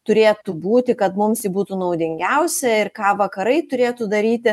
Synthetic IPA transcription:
t̪ʊɾʲeːt̪ubuːt̪ʲɪkɐt̪mʊmsibuːt̪unɐʊd̪ʲɪŋʲɡʲɛʊsʲɛɪrkɑːʋɐkɐɾɐɪt̪ʊɾʲeːt̪ud̪ɐɾʲiːt̪ʲɪ

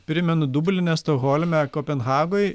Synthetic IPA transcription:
pʲɾʲɪmʲɛnʊd̪ubʊlʲɪnʲɛst̪oɣoːlʲmʲɛkoːpʲɛnɣɑːɡoːj

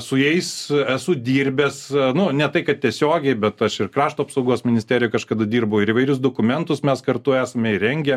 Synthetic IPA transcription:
sʊjɛɪsæsʊd̪ʲiːɾʲbʲɛsnʊnʲɛt̪ɐɪkɐt̪̚t̪ʲiɛsʲoːɡʲɛɪbʲɛt̪ɐʃɪrkrɑːʃt̪oːɐpsɐʊɡoːsmʲɪnʲɪsʲt̪ʲæːɾʲɪjʊkɐʃkɐd̪ɐd̪ʲiːrbɐʊɪɾiːʋɐɪɾʲʊs̬d̪oːkʊmʲɛnt̪ʊsmʲɛskɐrt̪ʊæːsɐmʲɛɪɾʲɛŋʲɡʲɛ

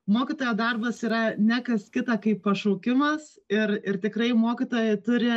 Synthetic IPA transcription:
moːkʲit̪oːjoːd̪ɐrbɐsiːɾɐnʲækɐskʲɪt̪ɑːkɐɪppːɐʃoʊkʲɪmɐs | ɪrɪrt̪ʲɪkrɐɪmoːkʲit̪oːjɛɪt̪ʊɾʲɪ

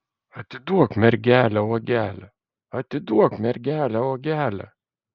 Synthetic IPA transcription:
ɐt̪ʲɪd̪uɔkmʲɛɾʲɡʲæːlʲæɔɡʲæːlʲæ | ɐt̪ʲɪd̪uɔkmʲɛɾɡʲæːlʲæoːɡʲæːlʲæ̰

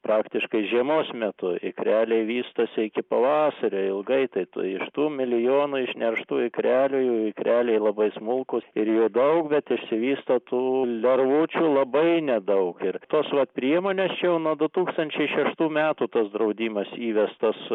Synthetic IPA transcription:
pɾɑːkt̪ʲɪʃkɐɪʒʲiɛmoːsmʲɛt̪ʊɪ̰kɾʲæːlʲeɪʋʲiːst̪osʲɪɪkʲɪpɐʋɑːsɐɾʲoːɪlˠɡɐɪt̪ɐɪt̪ṵɪʃt̪uːmʲɪlʲɪjoːnuːɪʃʲnʲɛrʃt̪uːɪkɾʲæːlʲujɛʊɪkɾʲʔæːlʲeɪlˠɐbɐɪsmʊlˠkʊsɪɾjoːd̪ɐʊkbʲɛt̪ɪʃsʲɪʋʲiːst̪ɐt̪uːlʲɛɾʋʊt͡ʃʲulˠɐbɐɪnʲɛd̪ɐʊkɪɾt̪oːsʋɐt̪pʲɾʲiɛmoːnʲeːst͡ʃʲɛjɛʊnuɔd̪ʊt̪uːkst̪ɐnʲt͡ʃʲɛɪʃʲɛʃt̪uːmʲæːt̪uːt̪ɐsd̪ɾɐʊd̪ʲiːmɐsiːʋʲɛst̪ɐs

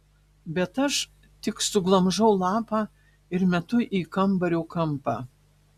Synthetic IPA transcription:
bʲɛt̪ɐʃ | t̪ʲɪksʊɡlˠɐmʒɐʊlˠɑːpɑː | ɪɾmʲɛt̪ʊʔiːkɐmˑbɐɾʲoːkɐmpɑː

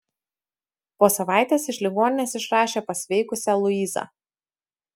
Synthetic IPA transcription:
poːsɐʋɑˑɪt̪ʲeːsɪʃʲlʲɪɡoːnʲɪnʲeːsɪʃɾɑːʃʲeːpɐsʲʋʲɛɪkʊsʲɛlˠʊiːzɑ̰ː

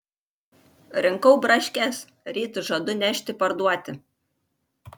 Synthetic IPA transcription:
ɾʲɪŋkɔʊbɾɐʃʲkʲɛs | ɾʲiːt̪ʊʒɐd̪ʊnʲæʃʲt̪ʲɪpɐɾd̪uɔt̪ʲɪ

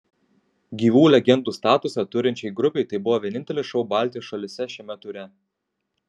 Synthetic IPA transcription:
ɡʲiːʋuːlʲɛɡʲɛnd̪uːst̪ɑːt̪ʊsɐt̪ʊɾʲɪnʲt͡ʃʲɛɪɡɾʊpʲɛɪt̪ɐɪbʊʋoːʋʲiɛnʲɪnt̪ʲɛlʲɪʃɒʊbɑˑlʲˑt̪ʲijɔsʃɐlʲɪsʲɛʃʲɛmʲɛt̪ʊɾʲɛ

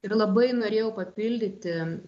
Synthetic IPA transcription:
ɪɾlˠɐbɐɪnoːɾʲeːjɛʊpɐpʲɪlʲd̪ʲɪt̪ʲɪ

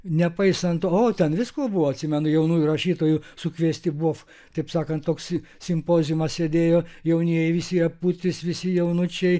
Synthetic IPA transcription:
nʲɛpɐɪsɐnt̪ːoːt̪ʲɛnʋʲɪskoːbʊʋoːɐt̪ʲsʲɪmʲɛnʊjɛʊnuːjurɐʃʲiːt̪oːjusʊkʋʲiɛsʲt̪ʲɪbuɔf | t̪ɐɪpsɑːkɐnt̪t̪oːks | sʲɪmpoːzʲɪmɐssʲed̪ʲeːjoːjɛʊnʲiɛjɛɪʋʲɪsʲɪɐput̪ʲɪsʋʲɪsʲɪjɛʊnʊt͡ʃʲɛɪ

